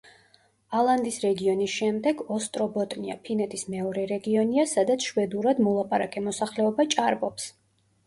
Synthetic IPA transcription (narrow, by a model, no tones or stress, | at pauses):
alˠand̪isɾɛɡiɔnisʃɛmd̪ɛɡɔst̪ʼɾɔbɔt̪ʼnia̰pʰinɛt̪ʰʼismɛɔɾɛɾɛɡiɔniasad̪at̪sʰʃwɛd̪uɾad̪mɔlˠapʼaɾakʼɛmɔsaχlɛɔbat͡ʃʼaɾbɔps